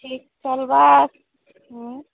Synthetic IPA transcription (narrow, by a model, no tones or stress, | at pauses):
ʈʰik̚t͡ʃəlbas | ɦ